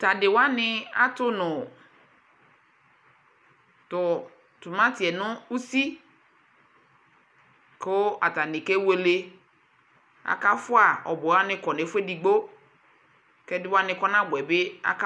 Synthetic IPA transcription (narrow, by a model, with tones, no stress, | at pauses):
ta˨dɪ˨wa˦nɪ˦a˦tʊ˦nʊ̃˨ | tʊ˨ | tʊ˨mã˦ti˨ɛ˨nʊ̃˦u˦si˦ | kʊ˦a˨ta˨nɪ˨ke˦we˦le˦ | a̰˨ka˦fʊ˦a˨ɔ˨bɔ˨wa˦nɪ̃˦kɔ˨ne˨˦fʷe˦di˨ɡ͡bo˦ | kɛ˦dɪ˦wa˦nɪ̃˨kɔ˦nã˦bʊ˨ɛ˨bɪ˦a̰˨k